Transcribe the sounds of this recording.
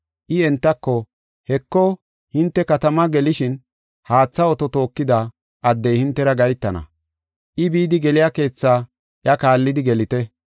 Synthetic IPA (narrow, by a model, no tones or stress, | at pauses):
ʔɪɛnt̪ːɐkːɔ | hɛkːɔ | hɪnt̪ːɛkɐt̪ɐmɐɡɛlɪʃɪn | haːt͡sːɐɔt̪ɔt̪o̞ːkːɪd̪a | ʔɐd̪ːɛjhɪnt̪ːɛɾɐɡɐjt̪ːɐnɐ̰ | ʔɪbiːd̪ɪɡɛlɪjake̞ːt͡sːaː | ʔjɐkaːlːɪd̪ɪɡɛlɪt̪ɛ